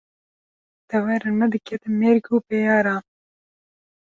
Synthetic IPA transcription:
t̪ɐwɛɾɐnɐd̪ɨket̪meːɾɡuːpejɑːɾaː

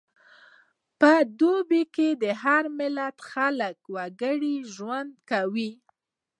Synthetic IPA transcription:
pəd̪obiked̪əɦaɾmɪlat̪xaləkwaɡəɽiʒwand̪kawi

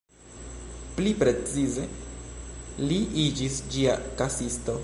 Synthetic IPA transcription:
plipɾe̞t͡size̞ | liʔid͡ʒisd͡ʒiakasisto̞

